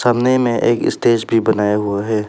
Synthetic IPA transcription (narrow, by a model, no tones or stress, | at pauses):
saːmnemẽʔeːkɪ̰st̪eːd͡ʒbʱibɐnaːjaɦʊaɦɛː